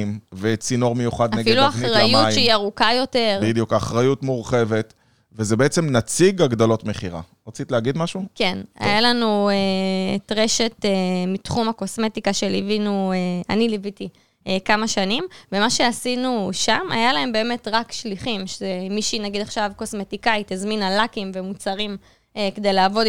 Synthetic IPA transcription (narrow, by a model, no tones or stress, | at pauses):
mvet͡sino̞ʁmejuχadanefluaχiʁajutjʃeiaʁukajo̞te̞ʁbid̪ijukaχʁajutmuʁχe̞ve̞t̪ | vezebeet͡semnat͡siɡaɡd̪alo̞tme̞χiʁa̰ʁat͡sit̪leːɡid̪maʃuke̞na̰jalanuetʁe̞ʃe̞temitχumhako̞sme̞t̪ikaʃe̞livinuea̰nilivit̪i | ekamaʃanimvemaʃe̞asinuʃama̰jalae̞mbe̞ːme̞tʁakʃliχimʃezemiʃinaɡid̪aχʃavko̞smetikait̪izminalakimvemut͡saʁim | eked̪ejlaːvo̞d